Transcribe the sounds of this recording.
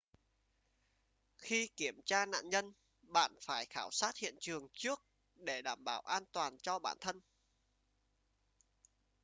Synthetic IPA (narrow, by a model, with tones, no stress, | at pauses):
xi˧ki˧˩əmt͡ɕaː˧na̰ː˧˨nɲə˧n | ɓa̰ː˧˨nfaː˧˩jxaː˧˩wsaː˦˥t̚hḭ˧˨ənt͡ɕɨ˨˩əŋt͡ɕɨ˦˥ək̚ | ɗe˧˩ɗaː˧˩mɓaː˧˩wʔaː˧nt̪waː˨˩nt͡ɕɔ˧ɓa̰ː˧˩nt̪ʰə˧n